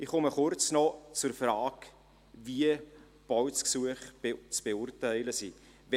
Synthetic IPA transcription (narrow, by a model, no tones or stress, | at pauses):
ɪχχʊməχʊɾt͡snɔt͡sʊrfraːk | viə | b̥ɔwsksuəχt͡sb̥eʊrtæɪləsi | vɛ